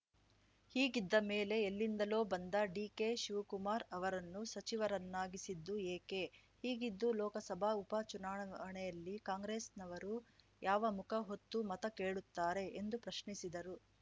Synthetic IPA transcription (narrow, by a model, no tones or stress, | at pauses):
hiːɡid̪ːɐme̞ːle̞ːlːind̪ɐlo̞ːbɐnd̪ɐɖiːke̞ːʃiʋɐkumaːɾɐʋɐɾɐnːusɐt͡ʃiʋɐɾɐnːaːɡisid̪ːueːke̞ | hiːɡid̪ːulɔːkɐsɐbʱaːupat͡ʃunaːɳɐɐɳɛjɐlːikaːŋɡɾeːsnɐʋɐɾu | jaːʋɐmukʰɐɦot̪ːumɐt̪ɐkeːɭut̪ːaːɾe̞ʔend̪upɾɐʃɳisid̪ɐɾu